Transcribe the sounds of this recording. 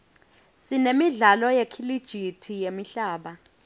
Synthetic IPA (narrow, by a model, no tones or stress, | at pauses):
sinemiɮalɔjekʰilid̥ʒ̥ʱitʰijemiɬaːɓa